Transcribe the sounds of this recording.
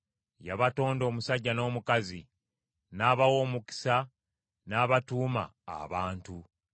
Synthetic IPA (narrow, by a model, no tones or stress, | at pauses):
jaβato̞ːndo̞ːmusaɟːano̞ːmukazi | naːβawo̞ːmuki̥sa | naːβatuːma̰ːβaːntu